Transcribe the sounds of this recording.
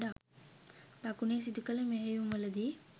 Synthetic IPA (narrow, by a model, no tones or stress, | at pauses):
ɖa | d̪akuneːs̬id̪ukələmeɦejumʋɐləd̪i